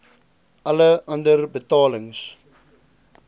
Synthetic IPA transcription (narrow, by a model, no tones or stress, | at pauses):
ʔɐləʔɐ̃ndərbətɑːləŋs